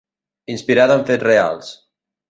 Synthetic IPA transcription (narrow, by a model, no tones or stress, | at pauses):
inspiɾaðaɱfetrea̰lˠs